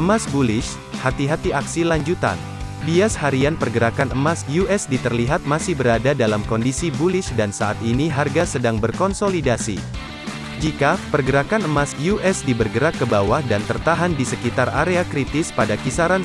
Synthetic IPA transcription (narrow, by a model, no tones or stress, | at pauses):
əmasbulɪʃ | hat̪iɦat̪iaksilaɲd͡ʒut̪a̰n | biashaɾianpərɡəɾakanəmasjuʔɛsdit̪ərliɦat̪̚masɪhbəɾadadalamkɔndisibulɪʃdansaʔat̪iniɦarɡasədaŋbərkɔnsolidasḭ | d͡ʒikapərɡəɾakanəmasjuʔɛsdibərɡəɾakːəbawahdant̪ərt̪aɦandisəkit̪araɾeakɾit̪ɪspadakisaɾan